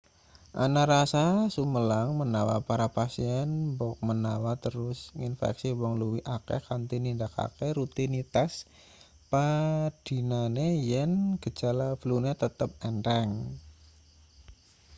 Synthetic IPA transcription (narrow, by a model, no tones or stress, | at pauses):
ʔa̰naɾasasuməlaŋmənawa̰paɾapasiɛnbɔk̚mənawat̪əɾʊsinfɛ̰ksiwɔŋluwiʔakḛkant̪inindaka̰keɾut̪init̪as | pad̥i̤nanejənɡ̥ə̤̥d͡ʒ̥alab̥lunet̪ət̪əp̚ɛnɾɛŋ